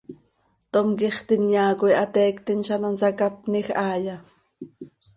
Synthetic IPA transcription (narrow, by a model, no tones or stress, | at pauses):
t̪omkiχt̪injɑːkojʔɑt̪ɛːkt̪inʃɑnonsɑkapnixʔɑːjɑ